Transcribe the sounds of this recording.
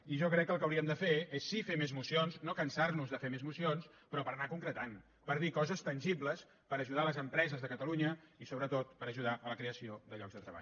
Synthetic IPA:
iʒɔkɾɛkːəlˠkəwɾiəmd̪əfeesːifemezmusionznokənsarnuzðəfemezmusions | pɾɔpəɾənakuŋkɾət̪an | pəɾð̞ikɔzəst̪ənʲʒibləs | pəɾəʒuðaələzəmpɾɛzəzðəkət̪əluɲəisoβɾət̪ot̪pəɾəʒuð̞aʔələkɾeəsioðəʎɔkɡzðət̪ɾəβa̰ʎ

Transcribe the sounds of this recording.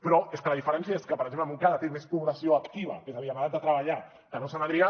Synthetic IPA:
pɾɔeskələðifəɾɛnsjaeskəpɾəɡzempləmuŋkaðət̪emespuβləsioəkt̪iβ̞ɐ̰kezaβiamaðat̪̚ət̪ɾəβaʎa | kənosanaðɾia

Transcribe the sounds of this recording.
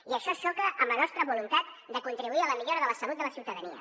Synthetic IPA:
iəʃɔʃɔkəʔːmblənɔst̪ɾəβulunt̪at̪ | d̪əkunt̪ɾiβuiələmiʎoɾəðələsəlut̪̚d̪ələsiwt̪əðəniə̰

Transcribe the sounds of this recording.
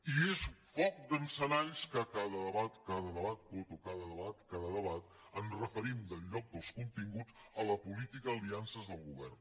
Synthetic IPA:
iesfɔk̚d̪ənsənaʎskəkaðəðəβat̪kaðəðəβat̪̚put̪ukaðəðəβat̪kaðəðəβat̪ | ənrəfəɾimd̪əlʎɔk̚d̪əlˠskunt̪iŋɡud͡zələpulit̪ikəːliansəzðəlˠɣuβɛ̰rn

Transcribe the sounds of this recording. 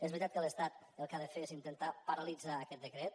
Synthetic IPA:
ezβɾit̪at̪̚kələst̪at̪ | əlˠkaðəfeezint̪ənt̪apəɾəlid͡zaːkɛt̪̚d̪əkɾɛt̪̚

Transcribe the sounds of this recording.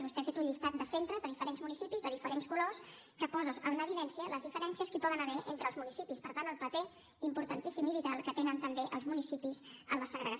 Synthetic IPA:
βust̪ɛafet̪uɲʎist̪at̪̚d̪əsent̪ɾəzðəðifəɾenzmunisipizðəðifəɾenskulos | kəpɔzəzəbunəβiðɛnsiələzðifəɾɛnsiəskəpɔðənəβɛʔent̪ɾəlˠzmunisipispəɾt̪anəlˠpəp̪e | impuɾt̪ənt̪isimilit̪alˠkət̪enənt̪əmbeʔəlˠzmunisipizələsəɣɾəɣə

